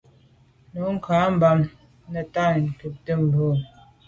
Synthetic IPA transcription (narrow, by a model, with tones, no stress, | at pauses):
nu˨˦ŋ̩˦˨kʰa˨˦m̩˨ba˨m | nə˨ta˦˨ŋ̩˨kə˨p̚tə˦˨m̩˨bo˦˨